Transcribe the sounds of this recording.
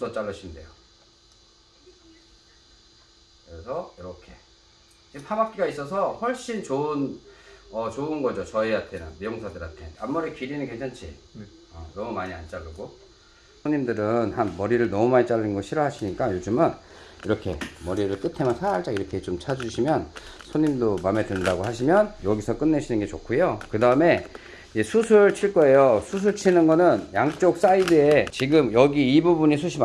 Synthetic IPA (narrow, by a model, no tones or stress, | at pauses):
sʌt͡ɕ͈aɭːʌɕʰinde̞̰jo̰ | kɾesʰʌjʌɾʌkʰe̞ | d͡ʑimpʰabak̚k͈iɡais͈ʌsʰʌhʌɭɕ͈int͡ɕoɯn | ʌt͡ɕoɯnɡʌd͡ʑot͡ɕʌiɦatʰenɯ̰nmijoŋsʰadɯɾatʰeamːuɾikiɾinɯnkeŋt͡ɕʰant͡ɕʰḭ | ʌ̰nʌmumaɲia̰nt͡ɕ͈aɭːɯɡo | sʰoɲimdɯɾɯnhanmʌɾiɾɯɭnʌmumait͡ɕ͈aɭːinɡʌɕʰiɾʌɦaɕʰiɲik͈ajod͡ʑɯmɯniɾʌkʰe̞̰mʌɾiɾɯɭk͈ɯtʰe̞mjʌnsʰaaɭt͈aiɾʌkʰe̞t͡ɕomt͡ɕʰad͡ʑuɕʰimjʌnsʰoɲimdomame̞dɯndaɡoɦaɕ̬ʰimjʌnjʌɡisʰʌk͈ɯnːeɕʰinɯnɡe̞t͡ɕokʰojokɯdaɯme̞ | id͡ʑesʰusʰuɭt͡ɕʰiɭk͈ʌe̞josʰus̬ʰuɭt͡ɕʰinɯnɡʌnɯnjaŋt͡ɕ͈ok̚s͈aidɯe̞t͡ɕiɡɯmjʌɡiːbubuɲisʰuɕʰim